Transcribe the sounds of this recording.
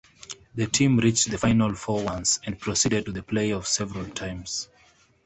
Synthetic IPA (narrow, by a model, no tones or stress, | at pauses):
ðɨtʰĩmɹit͡ʃðəfãɪnəlˠfɔwʌ̃nsɛ̃npʰɹ̥ɔsidəd̚tuðəpʰleɪɔv̥sɛvəɹəlˠtʰãɪ̃mz̥